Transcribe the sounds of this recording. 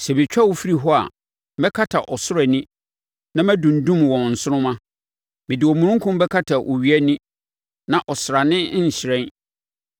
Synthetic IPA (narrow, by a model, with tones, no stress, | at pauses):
sɛ˨mɪ̃˨t͡ɕᶣa˦wo˨fi˦ɾi˨ɦɔ˦a̰˨ | mɛ˦kʰa˦tʰa˨ʔɔ˨sʊ˦ɾɛ˨nĩ˦ | nã˦mæ̃˦dũ˨n̩˨dũ˦mwɔ̃˨n˨n̩˨sʊ˦nʊ̃˦mã˦ | mɪ̃˨dɪ˨ɔ˨mũ˨ɾũ˦ŋ˦kʰʊ̃˦m˦bɛ˦kʰa˦tʰa˨ʔo˨ɥi˨˦æ˦nĩ˦ | nã˨ʔɔ˨sɾa˨nɪ̃˦˨ɕɪ˨ɾɛ̃˦n